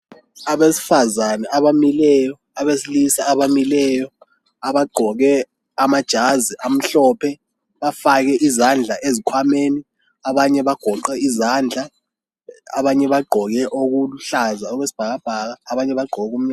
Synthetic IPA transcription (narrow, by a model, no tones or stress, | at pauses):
aɓesi̥fazanɛʔaɓamilɛjɔ | aɓesilisaaɓamilɛjɔ | aɓaɡ͡ǃʱɔk̬ɛ | amad̥ʒ̥ʱaziʔam̩ɬɔːpʰɛ | ɓafak̬ɛʔizand͡ɮʱaʔezikʰwameːni | aɓaɲɛɓaɡ̥ʱɔǃɛizaːnd͡ɮʱa | a̰ɓaɲɛɓaɡ͡ǃʱɔk̬ɛʔok̬uluɬazaɔk̬wesi̥b̥ʱak̬ab̥ʱakaːɓaɲɛɓaɡ͡ǃʱɔk̬um̩